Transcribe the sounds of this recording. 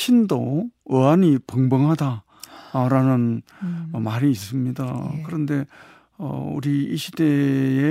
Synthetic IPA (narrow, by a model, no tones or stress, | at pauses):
ɕʰindoɯaɲipʌŋbʌŋɦada | ɾanɯn | maɾiːs͈ɯmɲidakɯɾʌnde̞ | ʌ̰ṵɾiiɕʰidee